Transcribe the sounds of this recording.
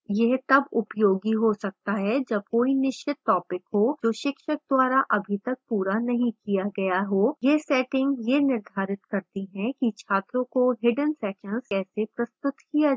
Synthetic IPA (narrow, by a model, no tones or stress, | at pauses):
jɛɦt̪ɐbʊpjoːɡiɦosɐk̚t̪aɦɛd͡ʒɐb̚koːinɪʃt͡ʃɪt̪ːɔːpɪkɦoːd͡ʒoːʃɪkʃək̚d̪waːɾaʔɐbʱit̪ɐk̚puːɾanɐɦĩkijaɡɐjaɦoːjesɛːʈɪ̃ŋɡjenɪɾd̪ʱaːɾɪt̪kɐɾt̪iɦɛ̃kit͡ʃʰaːt̪ɾõkoɦɪɖənsɛːkə̃nzɛːsepɾɐst̪ʊt̪kija